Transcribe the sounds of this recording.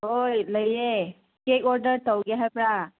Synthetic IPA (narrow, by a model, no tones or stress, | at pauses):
ɦojləje | kekɔɾdəɾtəwɡɛɦajpɾa